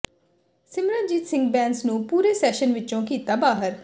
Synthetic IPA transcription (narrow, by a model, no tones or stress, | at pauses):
sɪmɾãːd͡ʒiːt̪sɪ̃ŋɡ̚bɛ̃ːnsnũːpuːɾeːsɛːʃənʋɪt͡ʃõːkiːt̪aːbaːɦəɾ